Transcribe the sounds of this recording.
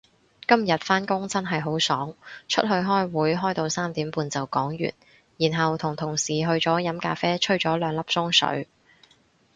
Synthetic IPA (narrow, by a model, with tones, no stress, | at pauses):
kɐ˥mjɐ˨t̚faː˥nkʊ˥ŋt͡sɐ˥nɦɐ˨jɦo˨˥wsɔː˨˥ŋt͡ʃʰɵ̰˥t̚hɵ˧ɥɦɔː˥jwuː˨˥jɦɔː˥jt̪o˧wsaː˥mt̪iː˨˥mpuː˧nt͡sɐ˨wkɔː˨˥ŋjy̰ː˨˩n | jiː˨˩nɦɐ˨wt̪ʰʊ˨˩ŋt̪ʰʊ˨˩ŋsiː˨˩ɦɵ˧ɥt͡sɔː˨˥jɐ˨˥mkaː˧fɛː˥t͡ʃʰɵ˥ɥt͡sɔː˨˥lœː˨˧ŋlɐ˥p̚sʊ˥ŋsɵ̰˨˥ɥ